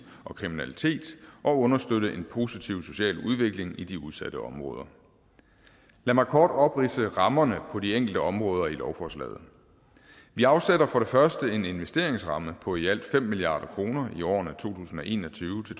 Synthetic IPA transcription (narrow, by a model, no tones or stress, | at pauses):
ʔɒ̽kʰʁiminælit͡sʰe̝̰ːd̥ʔɒ̽ɔ̽nɐsd̥ødəʔe̝npʰo̝ːsit͡sʰiʊ̰so̝̥ɕɛ̰ːluð̞ˠʋe̝ɡ̥le̝ŋid̥iuðˠsæd̥əɒ̽mʁɔ̽ːð̞ˠɐ | læmɑ̈ɪkʰɒ̰ːd̥ɒ̽b̥ʁisəʁɑ̈mɐnəpʰɒ̽dieŋ̰ɡ̥l̩d̥əɒ̽mʁɔːð̞ˠɐilɒʊfɒslɛ̰ːð̞̩ˠ | ʋiɑ̈ʊseɾɐfɒ̽ɾ̥e̝fɶɐsd̥əe̝ne̝nʋesd̥e̝ɐeŋsʁɑ̈məpʰɒ̽æl̰d̥fem̰ːiliɑ̰̈ːd̥ɐkʰʁo̝ːnɐiɒ̰ːnæt͡sʰo̝̰ːt͡sʰṵːsn̩ɒ̽ʔe̝̰ːnɒ̽t͡sʰyːʊt͡sʰe̝